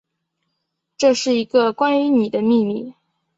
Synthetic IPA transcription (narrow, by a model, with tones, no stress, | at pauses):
ʈ͡ʂɤ˥˧ʂɻ̩˥˩i˧˥ɡə˧kwa˥ny˧˥ni˨˩d̪ə˦mi˥˧mi˥˩